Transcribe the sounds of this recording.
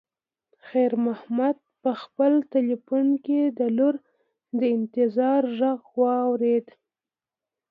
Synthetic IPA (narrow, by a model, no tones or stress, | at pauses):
xajɾmahmad̪̚pəxpəlt̪ɪlifunked̪əluɾ | d̪əɪnt̪ɪzɑɾʒəɣwɑwɾed̪